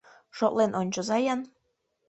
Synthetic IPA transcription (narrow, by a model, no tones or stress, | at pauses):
ʃot̪lenʔonʲt͡ɕozɑjɑn